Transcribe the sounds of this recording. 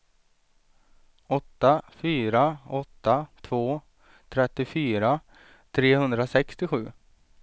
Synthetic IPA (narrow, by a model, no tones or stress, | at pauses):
ɔt̪ːafyːɾaɔt̪ːat̪ʰvoː | t̪ʰɾɛt̪ːɪfyːɾa | t̪ʰɾeːhɵnd̪ɾasɛkst̪ɪɧʉ̟ː